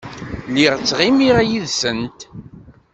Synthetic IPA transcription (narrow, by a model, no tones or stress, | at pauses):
liʁt͡sːʁimiʁæjiðsənt̪